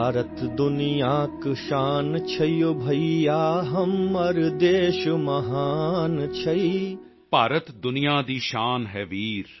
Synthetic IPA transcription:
aːɾət̪d̪ʊnijaːkʃaːnt͡ʃʰɐjjobʱɐijaːɦɐmɐɾd̪eːʃmɐɦaːnt͡ʃʰɐi | paːɾət̪d̪ʊnijaːd̪iːʃaːnɦɛːʋiːɾ

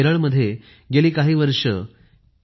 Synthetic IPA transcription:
eɾəɭməd̪ʱːje | ɡeliːkaɦiːʋəɾʂə

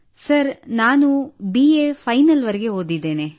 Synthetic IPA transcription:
sɐɾnaːnubiepʰɐjnɐlʋɐɾɛɡeɦoːd̪id̪ːeːne

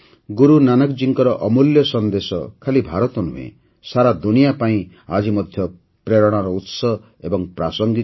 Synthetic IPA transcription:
ɡuɾunanɔkd͡ʒiŋkɔɾɔʔɔmuljɔsɔnd̪esɔ̰kʰalibʱaɾɔt̪ɔnuɦḛ̃ | saɾad̪unijapaĩ | ad͡ʒimɔd̪ʱjɔ | pɾeɾɔɽ̃aɾɔut̪sɔ | ebɔŋpɾasɔŋɡi

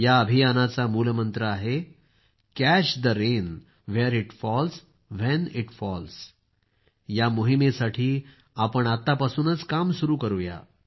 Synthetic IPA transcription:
jaəbʱijanat͡samuːlmənt̪ɾəaɦe | kæɕd̪əɾen | ʋɛɾiʈfɔls | ʋɛniʈfɔls | jamoɦimesaʈʰiː | apəɳat̪ːapasuːnət͡skamsuɾuːkəɾoja̰

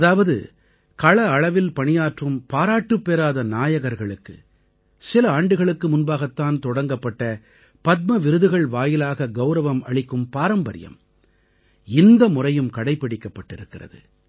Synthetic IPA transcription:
ɐðaːʋɐðɯ̰ | kɐɭɐːɭɐʋɪlpɐɳɪjaːʈrɯmpaːɾaːʈːɯpːeːɾaːðɐnaːjɐɣɐɾɣɐɭɯkːɯ̰ | sɪlɐaːɳɖɯɣɐɭɯkːɯmʊnbaːɣɐt̪ːaːnt̪ɔɽɐŋɡɐpːɐʈːɐ | pɐt̪̚mɐʋɪɾɯðɯɣɐɭʋaːjɪlaːɣɐɡɐʊɾɐʋɐmɐɭɪkːɯmpaːɾɐmbɐɾɪ̰jɐ̰m | ɪnd̪ɐmʊrɐjɯmkɐɽɐɪpːɐɽɪkːɐpːɐʈːɪɾɯkːɪrɐ̰ðɯ̰

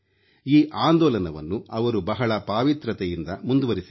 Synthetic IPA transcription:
iːʔaːnd̪ɔːlɐnɐʋɐ̰nːuɐʋɐɾubɐɦɐɭɐpaːʋit̪ɾɐt̪ɛjind̪ɐmund̪uʋɐɾisi

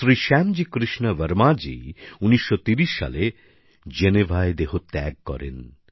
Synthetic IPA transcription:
sɾiʃɛmd͡ʑikɾiʃnaʋəɾmad͡ʑḭuniʃːot̪iɾiʃːa̰le | d͡ʑenebʱaed̪eɦot̪ɛɡ̚kɔ̰ɾḛn

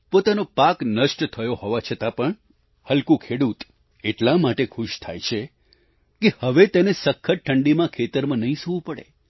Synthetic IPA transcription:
pot̪anopaknəʃʈt̪ʰəjohoʋat͡ʃʰət̪ãpəɳ | həlkũkʰeɽut̪ | eʈlãmaʈekʰʊʃt̪ʰa̰jt͡ʃʰe | kehəʋet̪enesəkʰːəʈ̚ʈʰəɳɖimãkʰet̪əɾmãnəɦĩsuʋũpəɽḛ

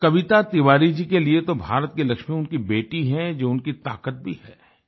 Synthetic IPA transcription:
kɐʋɪt̪at̪ɪʋaːɾid͡ʒikeliet̪obʱaːɾət̪̚kelɐkʃmiʊnkibeːʈiɦɛ̃d͡ʒoːʊnkit̪a̰ːkət̪̚bʱihɛː

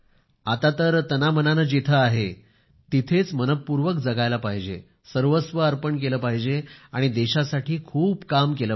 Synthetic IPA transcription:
at̪at̪əɾt̪ənamənanəd͡ʑet̪ʰəaɦe | t̪it̪ʰet͡smənət̚puɾʋəkd͡zəɡajlapaɦid͡ʑḛ | səɾʋəsʋəəɾpəɳk̬eləːpaɦid͡ʑeaɽ̃id̪eɕasaʈʰiːkʰuːbkamkeləː

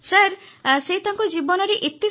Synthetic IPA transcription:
saɾseɦit̪aŋkɔd͡ʒibɔnɔɾeʔit̪i

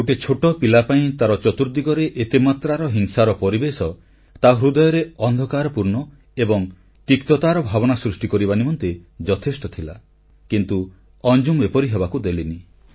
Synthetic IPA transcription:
oʈet͡ʃʰoʈɔpilapaĩt̪aɾɔt͡ʃɔt̪uɾd̪iɡɔɾeʔet̪imat̪ɾaɾɔɦiŋsaɾɔpɔɾibesɔ | t̪aɦɾud̪ɔjɔɾeɔnd̪ʱɔkaɾɔpuɾnɔ | ebɔŋ | t̪ikt̪ɔt̪aɾɔbʱabɔnasɾusʈikɔɾibanimɔnt̪ed͡ʒɔt̪ʰesʈɔt̪ʰila̰ | kint̪u | ɔnd͡ʒumbepɔɾiɦebakud̪elini

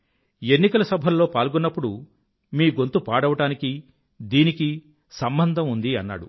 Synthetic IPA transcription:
e̞nːikɐlɐsɐbʱɐlːo̞ːpaːlɡunːɐpːuɽu | miːɡo̞nt̪upaːɽɐʋɐʈaːniki | d̪iːniki | sɐmbɐnd̪ʱɐmund̪iɐnːa̰ːɽṵ

